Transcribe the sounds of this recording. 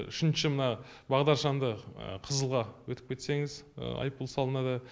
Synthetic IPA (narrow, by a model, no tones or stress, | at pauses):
ʏ̰ʃɪnʃɪmənɑ | bɑʁd̪ɑɾʃɑnd̪əə̰qʰəzəlˠʁɑwɵt̪ɪp̚kʲe̞t̪se̞ŋɪz̰ɑ̰jp̚ːulˠsɑlˠənɑd̪ə